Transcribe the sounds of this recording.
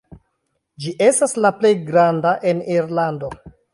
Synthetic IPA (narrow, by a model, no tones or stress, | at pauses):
d͡ʒiʔe̞staslaple̞jɡɾandaʔe̞niɾlando̞